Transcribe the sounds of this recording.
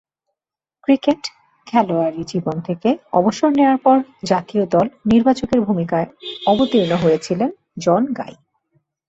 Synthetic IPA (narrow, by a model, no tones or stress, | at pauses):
kɾikeʈ | kʰɛloaɾid͡ʑibont̪ʰekeɔ̰boʃoɾneoaɾpɔɾd͡ʑat̪iod̪ɔlniɾbat͡ɕokeɾbʱumikaeɔbot̪iɾnoɦojet͡ɕʰilen | d͡ʑɔnɡa̰j